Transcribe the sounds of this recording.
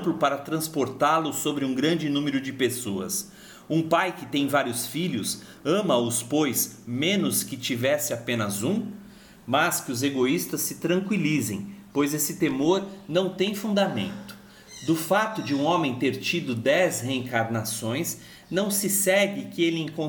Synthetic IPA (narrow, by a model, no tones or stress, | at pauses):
plʊpaɾɐt̪ɾɐ̃spoɾt̪alʊsobɾɪũɡɾɐ̃nd͡ʒɪnũmeɾʊd͡ʒɪpesoɐ̰s | ũpajkɪt̪ẽj̃vaɾiʊsfiʎʊs | ɐ̃mɐʊspojsmẽnʊskɪt͡ʃivɛsɪapẽnɐzũ | mɐskɪʊzeɡoist̪ɐsːɪt̪ɾɐ̃ŋkwilizẽj̃pojzesɪt̪emoɾnɐ̃w̃t̪ẽj̃fũnd̪amḛ̃nt̪ʊ̥ | d̪ʊfat̪ʊd͡ʒɪũõmẽj̃t̪eɾt͡ʃid̪ʊd̪ɛzheẽŋkaɾnasõj̃s | nɐ̃w̃sɪsɛɡɪkɪelɪẽkõ